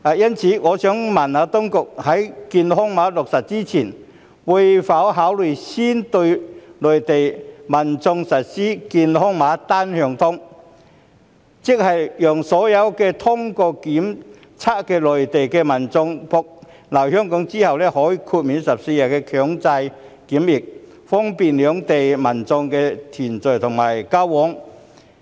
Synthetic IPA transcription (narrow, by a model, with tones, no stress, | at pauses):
aː˨˧jɐ˥nt͡sʰiː˨˥ŋɔː˨˧sœː˨˥ŋmɐ˨˩naː˨˧t̪ʊ˥ŋkʊ˨k̚hɐ˨˥jkiː˧nhʊ˥ŋmaː˨˥lʊ˨k̚sɐ˨˩t̚t͡siː˥t͡sʰiː˨˩n | wu˧jfaː˨˥wɦaː˨˥wlɵ˨˩jsiː˥nt̪ɵ˧ɥlɵ˨˩jt̪e˨jmɐ˨˩nt͡sʊ˧ŋsɐ˨t̚siː˥kiː˧nhʊ˥ŋmaː˨˥t̪aː˥nhœː˨˧ŋt̪ʰʊ˥ŋ | t͡sɪ˥k̚hɐ˨jjœː˨˩ŋsɔː˨˥jɐ˨˧wkɛː˧t̪ʰʊ˥ŋkɔː˧kiː˨˥m | t͡sʰaː˥t̚kɛː˧lɔ˨˩ɥt̪e˨jkɛː˧mɐ˨˩nt͡sʊ˧ŋpʰɔ˧k̚ | lɐ˨˩whœː˥ŋkɔː˨˥ŋt͡siː˥hɐ˨wlɛː˥hɔː˨˥jiː˧kʰuː˧t̚miː˨˧nsɐ˨p̚se˧jaː˨kɛː˧kʰœː˨˥ŋt͡sɐ˧j | kiː˨˥mjɪ˨˩k̚ | fɔː˥ŋpiː˨nlœː˨˥ŋt̪e˨jmɐ˨˩nt͡sʊ˧ŋkɛː˧t̪ʰiː˨˩nt͡sɵ˨˩t̪ʰʊ˨˩ŋmaː˨˩jkaː˥wwɔː˨˥ŋ